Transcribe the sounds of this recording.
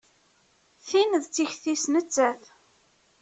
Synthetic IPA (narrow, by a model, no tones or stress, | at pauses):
θinðt͡sːiçθisnət͡sːæθ